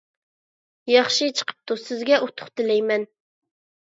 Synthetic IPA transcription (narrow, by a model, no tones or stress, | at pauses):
jɑχʃɨt͡ʃʰə̥qʰə̥p̚t̪usɪzɡʲɛʔot̪ʰʊ̥χt̪ɪlɛjmɛn